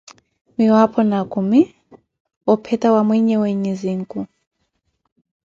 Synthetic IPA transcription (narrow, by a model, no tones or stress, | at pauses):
miwapʰɔnakʰumi | ɔpʰɛtʼawamwɛɲɛweɲiziŋkʼu